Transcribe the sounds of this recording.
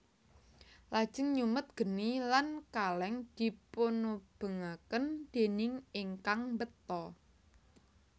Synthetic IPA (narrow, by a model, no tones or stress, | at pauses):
lad̥ʒ̥ə̤ŋɲumət̪̚ɡ̥ə̤nilankalɛŋd̪̥i̤ponob̥ə̤ŋakənd̪̥e̤nɪŋiŋkaŋmbət̪ɔ